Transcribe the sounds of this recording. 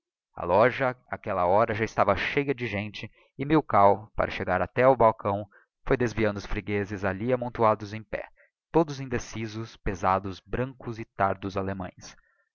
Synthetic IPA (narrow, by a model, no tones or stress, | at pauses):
ɐ̰lɔʒɐakɛlɐɔɾɐʒaɪst̪avɐʃejɐd͡ʒɪʒẽnt͡ʃɪ | ɪmewkawpa̰ɾʔɐʃeɡaɾat̪ɛʊbawkɐ̃w̃ | fojd̪ezviɐ̃nd̪ʊsfɾiɡezɪzaʎiamõnt̪uad̪ʊzẽj̃pɛ̰ | t̪od̪ʊzĩnd̪esizʊspezad̪ʊzbɾɐ̃ŋkʊzɪt̪aɾd̪ʊzalemɐ̰̃j̃s